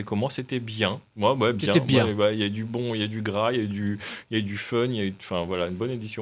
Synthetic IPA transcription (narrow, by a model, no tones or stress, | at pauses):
ɛkɔmɑ̃set̪ɛbjɛ̃mawɛbjɛ̃ɛbj̃ɛwɛijaɛd̪ybɔ̃ijaɛd̪yɡʁajayd̪yjayd̪yfœnjaỹfɛ̃vwalaynbɔned̪isjɔ̃